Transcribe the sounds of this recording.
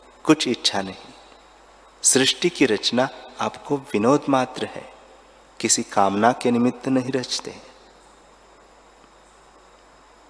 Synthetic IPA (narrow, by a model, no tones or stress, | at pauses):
kʊt͡ʃʰɪtːʃʰanɐɦĩ | sɾɪʃʈikiɾɐt͡ʃnaaːpkoʋɪnoːd̪ʱmaːt̪ɾəɦɛ̰ː | kɪsikaːmnakenɪmɪt̪ːnɐɦĩɾɐt͡ʃt̪ḛɦɛ̃ː